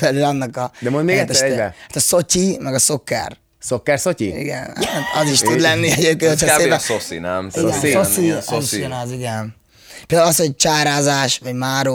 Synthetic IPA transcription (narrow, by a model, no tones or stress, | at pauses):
ɛlylɒnːɒkɒd̪ɛmonmeːɡɛt̪ːɛʃɛbɛaːt̪ɒso̞cimɛɡɒso̞kːɛ̰r | sokːɛrsociḭɡɛ̰nt̪ɒ̰ziʃt̪ud̪lɛnːiɛɟep̚kenhotʰhɒosḭnɛmiɡɛsosiziʃɡɛnɔziɡɛn | peld̪aulɒsho̞ɟ̚t͡ʃaːɾaːzaːʃʋɒɟmaːɾo